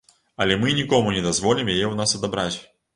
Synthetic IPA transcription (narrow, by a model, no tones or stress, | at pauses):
ɐlʲɛmɨnʲikɔmʊnʲɪd̪ɐzvɔlʲɪmjejɛunasɐd̪abɾat͡sʲ